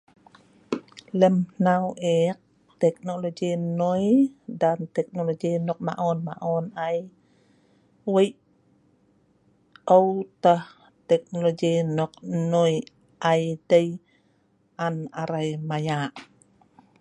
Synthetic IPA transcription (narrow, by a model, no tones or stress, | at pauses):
ləmnawʔek̚ | t̪ɛk̚noloɡinojdant̪ɛk̚noloɡinɔk̚ma̰ʔonma̰ʔɔnaj | wəjʔ | owt̪əh | t̪ɛk̚noloɡinɔk̚noj | ʔajdəj | ʔanaɾajmajaʔ